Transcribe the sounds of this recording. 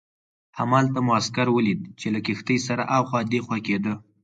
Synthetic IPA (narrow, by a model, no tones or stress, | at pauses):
hamɑlt̪amʊaskaɾwəlid̪̚t͡ʃelakixt̪əjsaɾaʔawxɑd̪exwaked̪ə